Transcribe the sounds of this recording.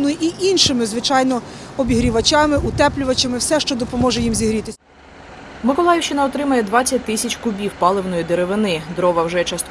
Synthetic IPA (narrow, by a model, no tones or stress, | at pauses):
nʊjʔiʔinʃɪmɪzʋɪt͡ʃɑjnɔɔbʲiɦɾʲiʋɐt͡ʃʲɑmɪʔʊt̪ɛplʲʊʋɐt͡ʃʲɐmɪwsɛʃt͡ʃɔd̪ɔpɔmɔʒɛjimzʲiɦɾʲit̪ɪ | mɪkɔlˠɑjɪwt͡ʃɪnɐɔt̪ɾɪmɐjɛd̪ʋɑt͡sʲːɐt̚ʲt̪ɪsʲɐt͡ʃʲkʊbʲiwpɑlˠɪwnɔjid̪eɾeʋɪnɪd̪ɾɔʋɐwʒɛt͡ʃɐst̪